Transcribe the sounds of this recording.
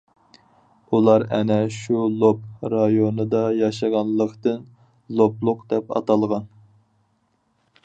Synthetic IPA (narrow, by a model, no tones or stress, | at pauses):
ulˠɑɾɛ̰nɛʃulˠop̚ɾɑjonɨd̪ɑjɑʃɑʁɑnlˠəqt̪ɨn | lˠoplˠʊqd̪ɛpɑ̰t̪ɑlˠʁɑn